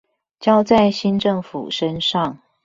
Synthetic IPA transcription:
t͡ɕjɑ˥ʊt͡sa˥˨ɪɕi˥nʈ͡ʂɤ˥˩ŋfṵ˨˩ʂə˦nʂɑ˥˨ŋ

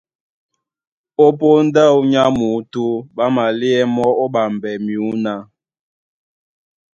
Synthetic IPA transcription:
o˦po˦n˦də˦˨wu˦ɲa˦mu˨˦tu˦ɓa˦ma˨li˦ɛ˦mɔ˦o˦ɓa˨m˨bɛ˨mju˨˦na˦

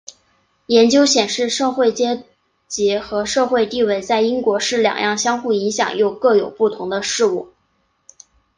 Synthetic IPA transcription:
jɛ˧˥nt͡ɕjo˥ʊɕjɛ˨˩nʂɻ̩˥˧ʂɤ˥˧xwe˥˩ɪt͡ɕjɛ˥ | t͡ɕi˧˥xɤ˧˥ʂɤ˥˧xwe˥˧ɪt̪i˥˧we˥˩ɪt͡sa˥˩ɪi˥ŋkwɔ˧˥ʂɻ̩˥˩ljɑ̰˨˩ŋjʔɑ̰˥˩ŋɕjɑ˥ŋxu˥˩i˧˥ŋɕjɑ̰˨˩ŋjo˥˩ʊkɤ˥˩jo˨˩ʊpu˥˩t̪ʰʊ˧˥ŋd̪ə˧ʂɻ̩˥˧u˥˩

